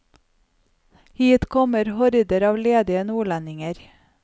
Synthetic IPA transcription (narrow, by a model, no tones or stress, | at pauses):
hiːt̪kʰɔməɾhɔɾd̪əɾɑːʋleːd̪ɪənuːɭænɪŋəɾ